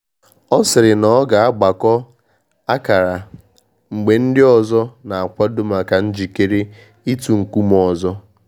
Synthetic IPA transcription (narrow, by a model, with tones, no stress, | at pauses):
ɔ˦sɪ˨ɾɪ˨nɔ˨˦ɡa˨a˦ɡ͡ba˨kɔ˦ | a˦ka˨ɾa˨ | ŋ͡m̩˨ɡ͡be˨n̩˦dɪ˦ɔ˨zɔ˦na˨a˨kʷa˦dʊ˦ma˨ka˨n̩˦d͡ʒi˨ke˦ɾe˦ | i˦tu˨ŋ̩˨ku˦m˨ɔ˨zɔ˦